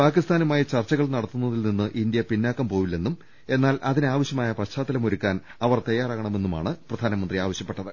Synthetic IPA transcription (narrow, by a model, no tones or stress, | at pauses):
paːkist̪aːnumaːjit͡ɕɐrt͡ɕːɐɣɐɭnɐɽɐt̪ːunːɐðilninːɨʔind̪jɐpinːaːkːɐmpo̞ːʋilːe̞nːum | e̞nːaːlʔɐðinaːʋɐɕjɐmaːjɐpɐɕt͡ɕaːt̪ːɐlɐmoɾukʲːaːn | ɐʋɐrt̪ɐjːaːraːɣɐɳɐme̞nːuma̰ːɳɨprɐd̪ʱaːnɐmɐnd̪riaːʋɐɕjɐpːe̞ʈːɐðɨ